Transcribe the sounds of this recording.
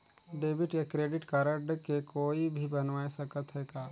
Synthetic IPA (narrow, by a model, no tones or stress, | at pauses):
ɖeːbɪʈjakɾeːɖɪʈkaːɾəɖkekoːibʱibɐnʋaːesɐkət̪ɦɛːɡaː